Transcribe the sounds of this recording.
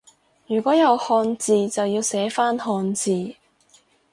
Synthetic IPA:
jyː˨˩kʷɔː˨˥jɐ˨˧whɔː˧nt͡siː˨t͡sɐ˨wjiː˧wsɛː˨˥faː˥nhɔː˧nt͡siː˨

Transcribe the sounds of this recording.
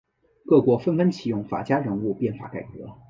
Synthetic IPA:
kɤ˥˩kwɔ˧˥fə˥nfə˥nt͡ɕʰi˨˩jʊ˥˩ŋfa̰˨˩t͡ɕja˥ɻə˧˥nu˥˧pjɛ˥˩nfa̰˧˥ka˨˩ɪkɤ̰˧˥

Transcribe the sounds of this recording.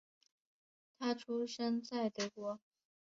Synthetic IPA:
t̪ʰa˥ʈ͡ʂʰu˥ʂə˥nt͡sa˥˩ɪt̪ə˨˩kwɔ˥

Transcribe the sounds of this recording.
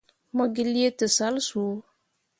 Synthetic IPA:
mɔ˦ɡɪ˦li˦e˦tɨ˨sa˨˦lsu˨o˦

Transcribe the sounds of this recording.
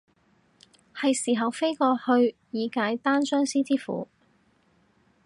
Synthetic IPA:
hɐ˨jsiː˨˩ɦɐ˨wfe˥jkɔː˧hɵ˧ɥjiː˨˧kaː˨˥jt̪aː˥nsœː˥ŋsiː˥t͡siː˥fṵː˨˥

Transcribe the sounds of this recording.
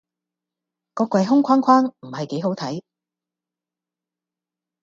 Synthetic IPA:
kɔː˧kwɐ˨˧jɦʊ˥ŋkʷʰaː˥nkʰaː˥nm̩˨˩hɐ˨jke˨˥jho˨˥wt̪ʰɐ˨˥j

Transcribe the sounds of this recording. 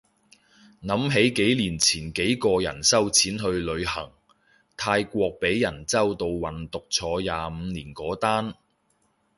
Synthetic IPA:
nɐ˨˥mɦe˨˥jke˨˥jliː˨˩nt͡sʰiː˨˩nke˨˥jkɔː˧jɐ̰˨˩nsɐ˥wt͡sʰiː˨˥nɦɵ˧ɥlɵ˨˧ɥhɐ˨˩ŋ | t̪ʰaː˧jkʷɔː˧k̚pe˨˥jːɐ˨˩nt͡sɐ˥wt̪o˧wwɐ˨˩nt̪ʊ˨k̚t͡sʰɔː˨˥jaː˨˧m̩˨˧niː˨˩nkɔː˨˥t̪aː˥n

